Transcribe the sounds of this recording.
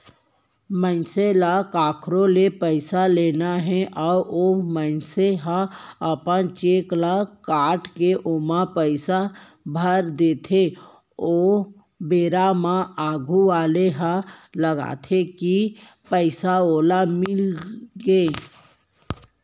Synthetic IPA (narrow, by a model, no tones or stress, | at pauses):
mə̃selakaːkʰɾõlepəɪsaleːnaɦɛ̃ʔɔːɾomənseɦãɐpənt͡ʃeːklakaːʈkeʔoːmapəɪsa | bʱəɾd̪eːt̪ʰe | oː | beːɾamãaːɡʱuʋaːleɦãləɡa̰ːt̪ʰeki | pəɪsaoːlamɪlɡeː